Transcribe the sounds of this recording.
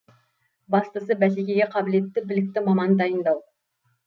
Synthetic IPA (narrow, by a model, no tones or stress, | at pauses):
bɑst̪əsəbæs̬ekʲe̞ɡʲeqʰɑbɪle̞t̪ːɪbɪlɪk̚t̪ɪmɑmɑnd̪ɑjənd̪ɑw